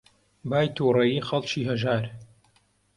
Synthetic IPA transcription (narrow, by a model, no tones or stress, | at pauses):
baːjt̪ʰuːrɐjiːxɐlt͡ʃiːɦɐʒaːɾ